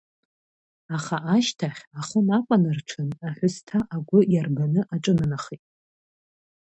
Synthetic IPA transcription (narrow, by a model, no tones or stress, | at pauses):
aχaʔaʃtʰaχʲaχənakʷʼanɨrʈ͡ʂʰɨnaħʷʊstʰaʔaɡʷʊjarɡanɨʔaʈ͡ʂʼɨnɨnaχitʼ